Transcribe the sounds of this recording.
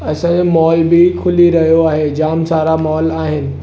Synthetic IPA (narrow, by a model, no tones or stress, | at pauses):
ɐsãd͡ʑemɔːlbɪkʰʊliɾɐɦijoaːɦed͡ʑaːmsaːɾamɔːlaːɦɪnɪ̆